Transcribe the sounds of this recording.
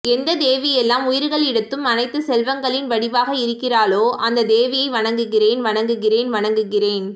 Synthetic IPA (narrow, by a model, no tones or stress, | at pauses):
ɛnd̪ɐd̪eːʋɪjɛlːaːmʊjɪɾɣɐɭɪɽɯt̪ːɯmɐnɐɪt̪ːɯsɛlʋɐŋɡɐɭɪnʋɐɽɪʋaːɣɐɪɾɯkːɪraːɭoːʔɐnd̪ɐd̪eːʋɪjɐɪʋɐɳɐŋɡɯɣɪreːnʋɐɳɐŋɡɯɣɪreːnʋɐɳɐŋɡɯɣɪreːn